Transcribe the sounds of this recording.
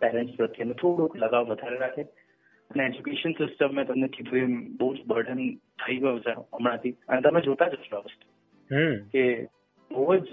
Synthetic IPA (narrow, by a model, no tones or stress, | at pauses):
pɛɾɛ̃ɳʈspɾət̪jənet̪ʰoɽukʰləɡaʋʋəd̪ʱaɾeɾakʰe | əneed͡ʒukeʃənsɪsʈəmːẽt̪əmnekid̪ʱũembəɦud͡ʒbəɾɖənt̪ʰəiɡəjũt͡ʃʰeəmɽãt̪iənet̪əmẽd͡ʒot̪ad͡ʒəʃoaʋəst̪u̥ | ke | bəʋəd͡ʒ